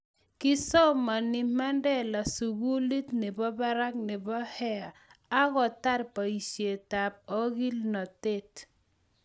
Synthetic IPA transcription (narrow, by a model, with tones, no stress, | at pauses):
ki˦sɔ˦ma˨ni˨ma˦ndɛ˦la˨su˨ɡu˦li˦tne˨bɔ˦ba˦ɾa˦k̚nɪ˨bɔ˦hɛ˦a˨a˦ɣɔ˨ta˦ɾpa˨i˨sje˨ta˨p̚ɔ˦ɡi˦lnɔ˨te˦t